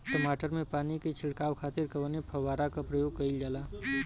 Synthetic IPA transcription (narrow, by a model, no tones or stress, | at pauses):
ʈəmaʈəɾmepaniket͡ʃʰilkawkʰat̪iɾkəbənepʰəʋaɾakapɾəjoɡ̚kəɪld͡ʒala